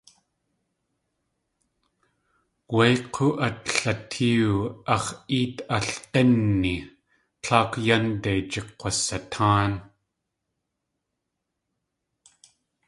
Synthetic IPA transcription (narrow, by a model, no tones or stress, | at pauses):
wajqʰoʔat̪ɬat̪ʰiuɑʁiːt̪aɬqenːi | t͡ɬʰaːkjand̪ajt͡ʃeqʷːasat̪ʰaːn